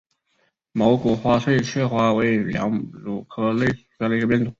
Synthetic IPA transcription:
mo˧˥ʊku˨˩xwa˧˥swe˥˧ɪt͡ɕʰɥɛ˥˩xwa˧˥we˧˥ɪljɑ̰˧˥ŋlu˨˩kʰɤ˥le˥˩˨kʰɤ˧˥li˧˥ɡə˧pjɛ˥˩nt̪ʰʊ˧˥˦

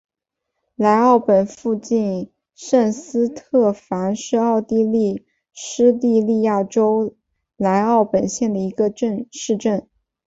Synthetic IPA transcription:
la˧˥ɪɑ˥˩ʊpə˨˩nfu˥˧t͡ɕi˥˩˧n | ʂə˥˩nsɹ̩˥t̪ʰɤ˥˩fa˧˥nʂɻ̩˥˧ɑ˥˧ʊt̪i˥˧li˥˩ | ʂɻ̩˥t̪i˥˧li˥˧ja˥˩ʈ͡ʂo˥ʊ | la˧˥ɪɑ˥˩ʊpə˨˩nɕjɛ˥˩nd̪ə˩i˧˥ɡə˧ʈ͡ʂə˥˧nʂɻ̩˥˧ʈ͡ʂə˥˩n

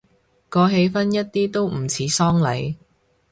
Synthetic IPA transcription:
kɔː˨˧ɦe˨˧jfɐ˥njɐ˥t̚t̪iː˥t̪o˥wm̩˨˩t͡sʰiː˨˥sɔː˥ŋlɐ˨˥j

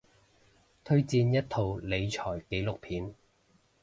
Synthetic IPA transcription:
t̪ʰɵ˥ɥt͡siː˧njɐ˥t̚t̪ʰo˨˧wle˨˧jt͡ʃʰɔː˨˩jke˨˥jlʊ˨k̚pʰiː˨˥n

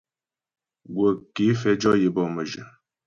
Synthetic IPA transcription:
ɡwə˨ke˨˦fɛ˨˦d͡ʒɔ˦je˨˦bɔ˦˨mə˨ʒə˨

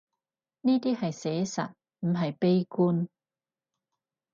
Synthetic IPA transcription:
niː˥t̪iː˥hɐ˨jsɛː˨˥sɐ̰˨t̚ | m̩˨˩ɦɐ˨jpe˥jkuː˥n

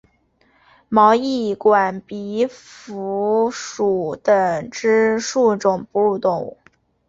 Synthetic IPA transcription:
mɑ˧˥ʊi˥˩kwa˨˩npi˧˥fu˧˥ʂu˨˩t̪ə˧ŋʈ͡ʂɻ̩˥ʂu˥˩ʈ͡ʂʊ˨˩ŋpu˥˩˧t̪ʊ˨˩˦ŋ

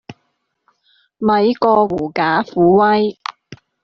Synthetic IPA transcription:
mɐ˨˧jkɔː˧wuː˨˩kaː˨˥fuː˨˥wɐ˥j

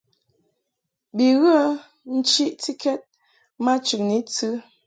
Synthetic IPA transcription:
bi˨ɣə˦ | n̩˦t͡ʃi˦ʔti˦kɛ˦t̚ | ma˦t͡ʃʉ˨k̚ni˨˦t͡sɨ˦

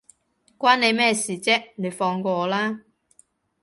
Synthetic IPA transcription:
kwaː˥nne˨˧jmɛː˥˩siː˨˩t͡sɛː˥ne˨˧jfɔː˧ŋkɔː˧˨˧laː˥

